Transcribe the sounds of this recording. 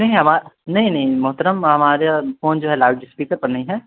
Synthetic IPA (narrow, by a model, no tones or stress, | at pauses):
nɐɦĩɦɐmaːɾnɐɦĩnɐɦĩmɐɦt̪əɾəmɦɐmaːɾefoːnd͡ʒoːɦɛlaːɖɪspiːkəɾpɐɾnɐɦĩɦɛː